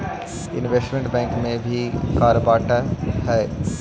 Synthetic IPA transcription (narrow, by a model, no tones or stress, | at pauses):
ɪnʋesʈmẽɳʈbɛ̃ːŋkmẽbʱikaːɾəbaːʈaɦɛː